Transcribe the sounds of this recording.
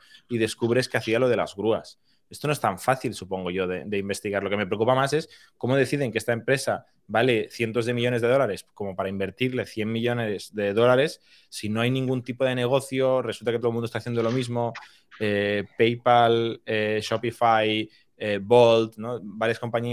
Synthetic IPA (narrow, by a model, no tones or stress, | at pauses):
iðe̞skuβɾe̞skeaθialo̞ðe̞la̰zɣɾuas | est̪onoest̪aɱfaθilsupo̞ŋɡo̞ʝo̞ðed̪e̞imbe̞st̪iɣaɾlo̞ke̞me̞pɾekupamases | ko̞mo̞ð̞e̞θiðe̞ŋkeest̪ae̞mpɾe̞sa | bale̞θje̞nt̪o̞zð̞e̞miʎone̞zðe̞ð̞o̞laɾe̞sko̞mo̞paɾaimbe̞ɾt̪iɾle̞θje̞mmiʎo̞nezðe̞ðo̞laɾe̞sː | ino̞ajnĩŋɡunt̪ipo̞ð̞e̞ne̞ɣ̞oθjo̞re̞sult̪aket̪omũnost̪aθjend̪olo̞mizmo̞ | epejpaleʃopifaj | ebo̞lt̪nobaɾjasko̞mpaɲi